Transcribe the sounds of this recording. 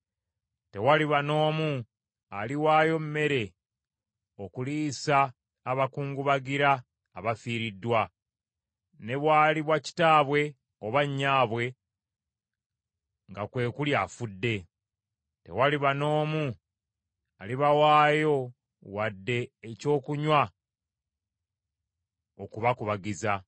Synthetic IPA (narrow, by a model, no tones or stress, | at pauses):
te̞waliβano̞ːmu | aliwaːjo̞mme̞ɾe̞ | okuliːsaː | βakuːŋɡuβaɡiɾaː | βafiːɾidːwa | ne̞βwaːliβwaci̥taːβwe̞ | oβaɲːaːβwe̞ | ŋɡakwe̞ːkuljaːfudːe̞ | te̞̰waliβano̞ːmu | aliβawaːjo̞ | wadːe̞ːco̞ːkuɲwa | okuβakuβaɡiza